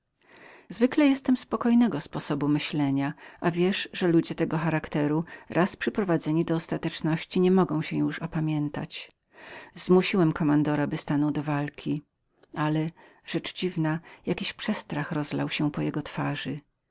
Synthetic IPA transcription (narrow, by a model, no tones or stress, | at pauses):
zvɘklɛjɛst̪ɛmspɔkɔjnɛɡɔspɔsɔbumɘɕlɛɲaʔavʲjɛʂʐɛlud͡ʑɛt̪ɛɡɔxaɾakt̪ɛɾuɾʔaspʂɘpɾɔvad̪zɛɲid̪ɔːst̪at̪ɛt͡ʂnɔɕt͡ɕiɲɛmɔɡɔ̃w̃ɕɛjuʂɔpamʲjɛnt̪a̰t͡ɕ | zmuɕiwɛmkɔmand̪ɔɾabɘst̪anɔwd̪ɔvalkʲʰi | alɛ | ʐɛt͡ʂd͡ʑivnajakʲiɕpʂɛst̪ɾaxɾɔzla̰wɕɛpɔjɛɡɔt̪faʐɘ